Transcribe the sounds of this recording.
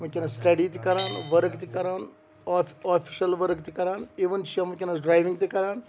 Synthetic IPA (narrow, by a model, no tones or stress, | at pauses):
mɐkʲinɐsʈɐɖiːt̪ikɐɾaːnʋɐɾkt̪ikɐɾaːnː | aːfʰiʃɐlʋɐɾkt̪ikɐɾaːniʋɐnt͡ʃiɐmɐkʲinɐɖɾaːjʋiŋɡt̪ikɐɾaːn